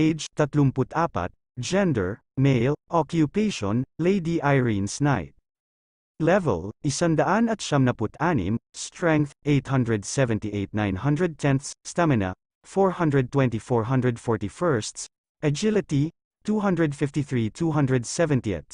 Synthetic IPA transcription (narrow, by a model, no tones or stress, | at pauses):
ʔejd͡ʒt̪ɐt̪lʊmpʊt̪ʰaːpɐ̰t̪̚ | d͡ʒɛ̃nd̪ɛɹ | mejlʔɔkjʊpejʃɔnlejd̪iʔajɹinsnajt̪̚ | lɛvɛ̰lʔɪsand̪ɐʔanɐt̪̚ʃamnɐpʊt̪anɪ̰mst̪ɹɛ̃ŋk̚θʔejt̪hʌnd̪ɹɛd̪sɛvɛ̃nt̪iʔejt̪̚nãjnhʌ̃nd̪ɹɛd̪̚t̪ʰɛ̃nθsst̪amɪna̰ | fɔɹhʌ̃nd̪ɹɛd̚t̪wɛ̃nt̪ifɔɹɦʌ̃nd̪ɹɛd̪fɔɹt̪ifɛɹst̪s | ʔɐd͡ʒɪlɪt̪i | t̪uɦʌ̃ndɹɛd̪fɪft̪iθɹit̪uɦʌ̃nd̪ɹɛd̪sɛvɛ̃nt̪iɛ̰t̪